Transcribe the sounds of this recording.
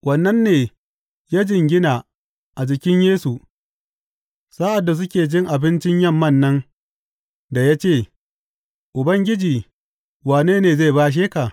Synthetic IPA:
wɐ˨nːɐ˦nːeː˨ | jaː˦d͡ʒɪ˨ŋɡʲɪ˦na˨ | ʔa˨d͡ʒɪ˨kʲɪ˦ɲjeː˦su˨ | saː˦ʔa˨dːa˨s̬ʊ˦kʲeː˨d͡ʒɪ˦ŋʔa˨bɪ˦nt͡ʃɪ˦ɲjɐ˦mːɐ˦˨nːɐ˦n | da˨ja˦t͡ʃeː˦˨ | ʔʊ˨bɐ˦ŋɡʲɪ˦d͡ʒiː˨ | waː˨neː˦neː˨zae˦˨baː˦ʃ̬eː˦ka˨

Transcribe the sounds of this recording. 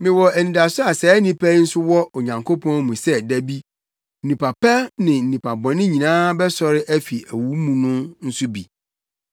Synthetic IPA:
mɪ̃˨wɔ˨ɛ˨n̩˨da˨sʊ˦a˨sɛː˨˦nĩ˦pʰæ˦n̩˦sʊ˦wɔ˦o˨ɲã˨ŋkʰo˦pʰɔ̃˦mũ˨sɛ˦dæ˦bi˦ | n̩˦˨nĩ˨pʰa˨pɛ˦nɪ̃˨n̩˨nĩ˨pʰa˨bɔ̃˨nɪ̃˦ɲĩ˨nãː˦bɛ˦sɔ˨ɾɪ˦ʔæ˦fi˨æ˨wu˨˦mũ˨˦nʊ̃˦n̩˦sʊ˦bḭ˨

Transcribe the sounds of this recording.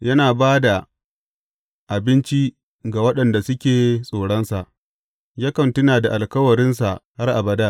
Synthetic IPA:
jɐ˦naː˨baː˦da˨ | ʔa˨bɪ˦nt͡ʃi˦ | ɡa˨wɐ˦ɗɐ˨nda˨sʊ˦kʲeː˨sʼoː˨ɽɐ˦nsa˨ʔ | jɐ˦kɐ˨ntʊ˦naː˨da˨ʔa˨lkɐ˦wɐ˨ɾɪ˦ns̬a˨ʔha˦rʔa˨bɐ˨da˦

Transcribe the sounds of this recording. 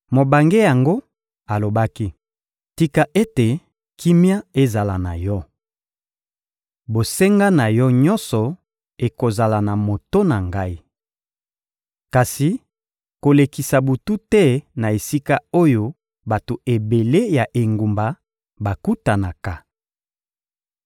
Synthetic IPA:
mo˨ba˨ŋɡe˦ja˨ŋɡo˦ | a˨lo˨ba˦ki˦ | ti˦ka˨ʔe˦te˨ | ki˦mija˦e˦za˨la˨na̰˨jɔ˦ | bo˨se˦ŋɡa˦na˨jɔ˦ɲɔ˦nsɔ˨ | e˨ko˨za˨la˨na˨mo˨to˦na˨ŋɡa˦i˦ | ka˨si˨ | ko˨le˨ki˨sa˨bu˨tu˦tɛ˦na˨e˨si˦ka˦o˦jo˦ | ba˨to˨e˨be˨le˦ja˨ʔe˨ŋɡu˨mba˨ | ba˨ku˦ta˨na˨ka˨

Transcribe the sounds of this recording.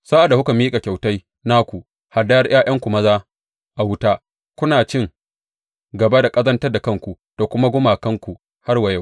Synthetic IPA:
saː˦ʔa˨da˨hʊ˦ka˨miː˦kʼa˨kʲa˨wta˦j | na˦kʷu˨ | ha˨da˦jɐ˦rj̰aː˦j̰ʔɐ˦ŋkʷu˨mɐ˦zaː˦ | ʔa˨wʊ˦taː˦ | kʷʊ˦naː˨t͡ʃɪ˦˨ŋ | ɡɐ˨ba˦da˨kʼɐ˦zɐ˦ntɐ˦rda˨kɐ˦ŋkʷu˨ | d̥a˨kʷʊ˦ma˦ɡʷʊ˦maː˨kɐ˦ŋkʷu˨ | ha˦rwɐ˨ja˦w

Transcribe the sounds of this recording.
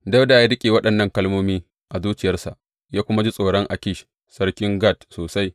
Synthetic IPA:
da˦da˨jaː˦dɪ˦kʲʼiː˨wɐ˦ɗɐ˨nːɐ˦ŋkɐ˦lmoː˦miː˦ | ʔa˨zuː˦t͡ʃɪ˨jɐ˦rsa̰˨ʔ | jaː˦kʷʊ˦ma˦d͡ʒi˦sʼoː˨ɽɔ˦ŋʔa˨kʲɪ˦˨ʃ | sɐ˦rkʲɪ˦ŋɡa˦˨tsoː˨sa˦j

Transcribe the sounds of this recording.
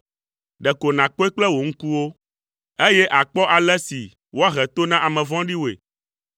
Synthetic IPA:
ɖɛ˨ko˨nã˨k͡pɔ˦ɛ˦k͡plɛ˦wo˨ŋ̩̃˦ku˦wo˦ | e˦jɛ˦ʔa˨k͡pɔ˦ʔa˨lɛ˦si˨ | wo˦a˦ɦɛ˨t̪o˦nã˦ʔa˨mɛ̃˨vɔ̃˦ɖi˦wo˨ḛ˨

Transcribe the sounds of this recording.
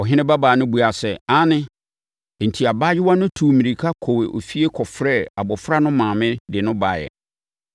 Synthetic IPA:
ɔ˨ɦɪ̃˦nɪ̃˦ba˦baː˨nʊ̃˦bu˨a˨sɛ˨ã˦nɪ̃˦˨ | n̩˨tʰi˨a˨ba˦jɪ˦wa˦nʊ̃˦tʰu˨mĩ˨ɾi˨kʰa˦kʰɔ˨wḛ˨ʔo̰˨fi˦e˦kʰɔ˨fɾɛ˦a˨bɔ˨fɾa˦nʊ̃˦mãː˨mɪ̃˦dɪ˨nʊ̃˦ba˨jɛ̰˨

